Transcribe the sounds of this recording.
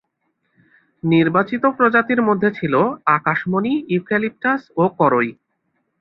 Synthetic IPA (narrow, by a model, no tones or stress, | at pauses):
niɾbat͡ɕit̪opɾod͡ʑat̪iɾmod̪ʱːet͡ɕʰiloakaʃmoniikelip̚ʈasokɔɾoj